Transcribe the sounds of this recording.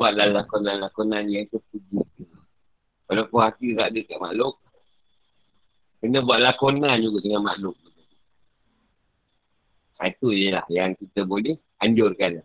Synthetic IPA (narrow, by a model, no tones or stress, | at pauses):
aʔ̚lahlakonanlakonanjaŋt̪əpud͡ʒi | kalopohasiɾaʔdəkaʔma̰lʊk̚ | kənəbuaʔ̚lakonand͡ʒuɡat̪əŋama̰lʊk̚bədəku | a̰it̪ujəla̰hjaŋkit̪əbolɛh | aɲd͡ʒʊrkana